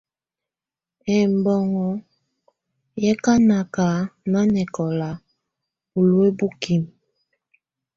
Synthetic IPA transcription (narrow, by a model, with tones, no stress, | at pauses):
ɛ˦m˨bɔ˦ŋɔ˦ | jɛ˦ka˦na˨ka˨na˦nɛ˨kɔ˨la˨ | bu˨lwe˦bu˦ki˦˨m